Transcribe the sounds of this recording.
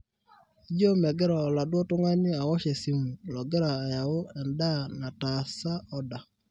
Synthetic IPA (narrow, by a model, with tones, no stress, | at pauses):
d͡ʒo˦mɛ˨ɡɛ˦ɾɔː˨la˨dwɔ˦tʊ˦ŋa˦nɪ˦a˨wɔ˦ʃe˨si˦mu˨lɔ˨ɡɛ˦ɾaː˨ja˨o˦ɛ˨nda˦na˨ta˨sa˦ʔɔ˦da˨